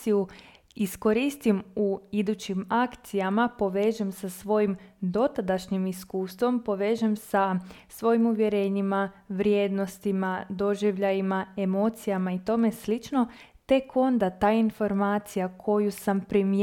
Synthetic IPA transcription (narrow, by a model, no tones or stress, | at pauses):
iu | isko̞ɾist̪imuid̪ut͡ɕimakt̪sijamapo̞ʋe̞ːʒemsasʋo̞jimd̪o̞t̪ad̪aʃɲimiskuːst̪ʋo̞mpo̞ʋe̞ːʒemsa | sʋo̞jimuʋje̞ɾe̞ːɲima | ʋɾje̞d̪no̞st̪imad̪o̞ʒiʋʎajimae̞mo̞t̪sijamait̪o̞me̞slit͡ʃno̞ | t̪e̞kʰo̞nd̪at̪aːinfo̞ɾmaːt̪sijakʰo̞jusampɾim